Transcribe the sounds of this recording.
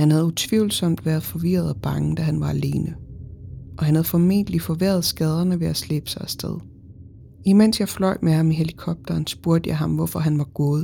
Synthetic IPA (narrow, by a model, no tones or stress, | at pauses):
hænhæð̞̩ˠut͡sʰʋiʊ̰l̩sɒ̽m̰d̥ʋæːɐðˠfɒ̽ʋiɐð̞̩ˠɒb̥ɑ̈ŋəd̥æɦænʋɑ̈æle̝ːnə | ʔɒ̽hænhæðˠfɒ̽me̝̰nd̥əlifɒ̽ʋeɐð̞̩ˠsɡ̥ɛð̞ˠɐnəʋe̝æslḛb̥ə̥sɑ̈ɪæsd̥eð̞̰ˠ | imen̰sjɑ̈ɪflɒ̽ɪ̰dmehɑ̈miɦelikʰɒ̽b̥̚d̥ɐːnsb̥uɐd̥əjɑ̈ɪɦɑ̈mʋɒfɒ̽ɦænʋɑ̈ɡ̥ɔ̽ːðˠ